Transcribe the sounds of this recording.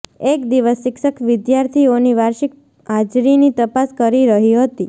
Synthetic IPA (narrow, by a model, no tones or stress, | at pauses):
ekd̪iʋəsːɪkʃəkʋɪd̪jaɾt̪ʰioniʋaɾʃɪk | ɦad͡ʒɾinit̪əpaskəɾiɾəɦiɦət̪i